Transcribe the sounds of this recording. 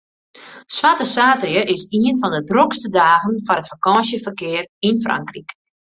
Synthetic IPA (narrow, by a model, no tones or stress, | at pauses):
sʋatəsaːtrijəʔɪsiənfɔndədrokstədaːɣənfɔnətfəkɔːsjəfərkɪərinfra̰ŋkrik